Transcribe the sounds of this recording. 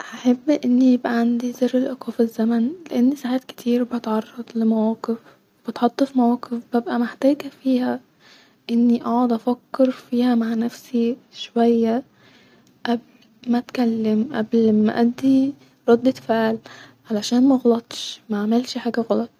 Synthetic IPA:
ʔahaħabːʔɪnːijɪbʔæʕand̪izerːɪlʔɑqɑfizːæmænleʔanːisaːʕaːt̪kɪ̥t̪ʰiːɾbet̪ʕɑrˤːɑd̪ˤlɪmæwæːqɪf | b̥ɪt̪ħɑt̪ˤːɑfimawæːqɪfbæbʔæmɪħt̪æːɡæfiːhæ | ʔɪnːiʔɑʕʊd̪ˤʔæfækːɑɾfiːhæmaʕnæfsiʃwæjːæ | ʔæbl | mæt̪kælːɪmʔæ̰blmæ̰ʔæd̪ːi | ɾˤɑd̪ːefaʔlʕalæʃæːnmæɣɑlɑt̪ˤʃmaʕmelʃħaːɡæɣɑlɑt̪ˤ

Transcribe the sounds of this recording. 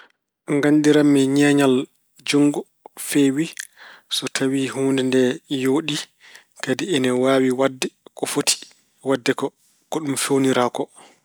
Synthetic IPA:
ŋɡandiɾamːɛɲɛːɲal | d͡ʒoŋɡɔ | fɛwisɔtʰawihuːndɛndɛjoːɗi | kadiɛnɛwaːwiwadːɛkɔfotʰi̥ | wadːɛkɔ | kɔɗumfewniɾakɔ

